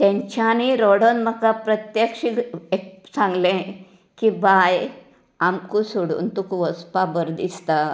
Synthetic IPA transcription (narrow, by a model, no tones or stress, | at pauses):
t̪ɛ̃ɲt͡ɕaniɾɔɽənməkapɾət̪jəkʂikek̚sãŋɡlẽ | kibaj | amkusuɽṵːnt̪ukuʋəspabəɾd̪ḭst̪a